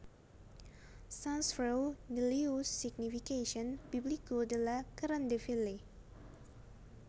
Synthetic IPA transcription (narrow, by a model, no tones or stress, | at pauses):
sãnsfɾəwnəliusiɡnifikeʃənbiblikodəlakəɾandefile